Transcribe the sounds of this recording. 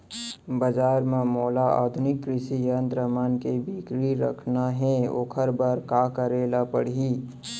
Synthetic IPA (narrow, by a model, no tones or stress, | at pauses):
bəd͡ʒaːɾmẽmoːlaa̰ːd̪ʱʊnɪkːɾɪʃijənt̪ɾəmaːnkebikɾiɾə̰kʰnaɦɛo̰ːkʰəɾbaɾkakəɾeːlapəɽiː